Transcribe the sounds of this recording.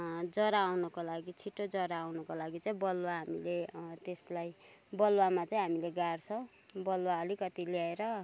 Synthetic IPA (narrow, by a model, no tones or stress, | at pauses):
d͡zʌɾaːwnʌkolaɡit͡sʰiʈːod͡zʌɾaːwnʌkolaɡit͡saĩbʌlwaɦamilet̪eslaj | bʌlwamat͡saĩɦamileɡart͡sʰʌw̃ | bʌlwaʌlikʌt̪iljaeɾʌ